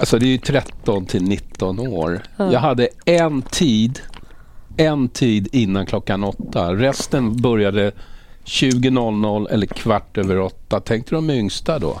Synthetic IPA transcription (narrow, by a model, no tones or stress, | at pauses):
asɔd̪ɛjɵt̪ʰɾɛt̪ːɔnt̪ʰɪlnɪt̪ːɔnoːɾjjɑːɡɦad̪ːəɛnt̪ʰiːd̪ | ɛnt̪ʰiːd̪ɪnːankʰlɔkːanɔt̪ːaɾɛst̪ənbœɾjad̪əɕʉ̟ːɡənɔlːnɔlːʔɛ̰lːəɾkʰvaʈːøːvəɾɔt̪ːat̪ʰɛŋk̚t̪əd̪ɔmɛʏŋst̪ad̪ɔ̰